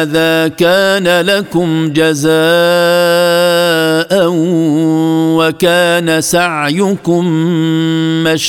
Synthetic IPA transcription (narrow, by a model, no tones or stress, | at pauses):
ðaːkaːnalakʊmd͡ʒazaː | ʔa | wakaːnasaʕjʊkʊmː | aʃ